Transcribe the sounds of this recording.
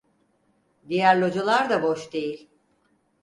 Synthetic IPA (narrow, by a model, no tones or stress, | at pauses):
d̪ijæɾlʲo̞d͡ʒalˠaɾd̪aboʃd̪e̞jilʲ